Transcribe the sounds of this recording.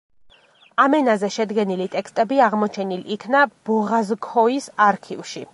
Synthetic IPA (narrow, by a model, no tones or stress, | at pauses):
amɛnazɛʃɛd̪ɡɛnilit̪ʼɛkst̪ʼɛbiaʁmɔt͡ʃʰɛnilikʰnab̥ɔʁazkʰɔisaɾkʰivʃi